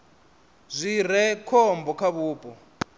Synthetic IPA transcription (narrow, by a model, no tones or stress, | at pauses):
zʷirɛkʰɔmbɔkʰaβuːpʼɔ